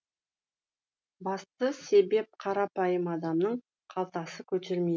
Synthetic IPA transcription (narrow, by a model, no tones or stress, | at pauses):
bɑst̪əse̞be̞p̚qʰɑɾɑpɑjəmɑd̪ɑmnəɴ | qʰɑlˠt̪ɑsəkʲʰɵt̪e̞ɾmej